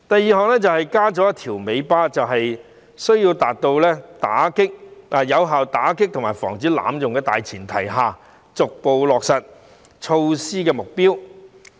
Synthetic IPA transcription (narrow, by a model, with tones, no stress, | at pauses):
t̪ɐ˨jːiː˨˧ɦɔː˨˧ŋlɛː˥t͡sɐ˨whɐ˨˩jkaː˥t͡sɔː˨˥jɐ˥t̪ʰiː˨˩wme˨˧jpaː˥t͡sɐ˨wɦɐ˨j | sɵ˥ɥjiː˧wt̪aː˨t̚t̪o˧wlɛː˥t̪aː˨˥kɪ˥k̚ʔaː˨jɐ˨˧wɦaː˨wt̪aː˨˥kɪ˥k̚t̪ʰʊ˨˩ŋmaː˨˩jfɔː˨˩ŋt͡siː˨˥la̰ː˨˥mjʊ˨ŋkɛː˧t̪aː˨jt͡sʰiː˨˩nt̪ʰɐ˨˩jɦaː˨˧ | t͡sʊ˨k̚po˨wlɔː˨k̚sɐ˨t̚ | t͡ʃʰo˧wsiː˥kɛː˧mʊ˨k̚piː˥w